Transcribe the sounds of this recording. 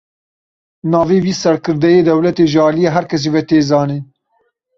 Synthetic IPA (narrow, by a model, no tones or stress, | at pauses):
nɑːveːwiːsɛɾkʰɨɾd̪ɛjeːd̪ɛwlɛt̪eːʒɨɑːlijɛɦæɾkʰɛs̬ivɛt̪eːzɑːne